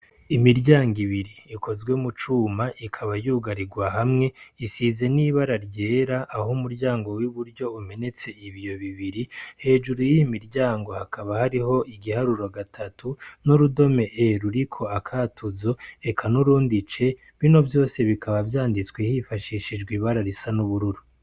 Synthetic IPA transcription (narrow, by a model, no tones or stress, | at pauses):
imiɾɟaːŋɡiβiɾiːkʰo̞zɡwe̞mut͡ʃuːmaʔikʰaβajuːɡaɾiɡwahamŋe̞isiːze̞niːβaɾaɾɟe̞ːɾaʔːhumuɾɟaːŋɡo̞wiβuɾɟo̞ume̞ne̞t͡se̞iβijo̞βiβiɾihe̞ːd͡ʒuɾujijimiɾɟaːŋɡo̞hakʰaβahaɾiɦo̞ʔiɡihaɾuɾo̞ɡatʰatʰunuɾudo̞me̞ʔeɾuɾikʰo̞akʰaːtʰuzo̞e̞kʰanuɾuːndit͡ʃe̞ | βino̞vjo̞ːse̞βikaβavjaːndit͡swehifaʃiːʃid͡ʒɡwiβaɾaɾisanuβuɾuɾu